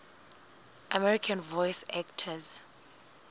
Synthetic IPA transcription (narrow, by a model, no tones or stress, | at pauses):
ʔamɛɹikʰãnvɔjsɛktʰaz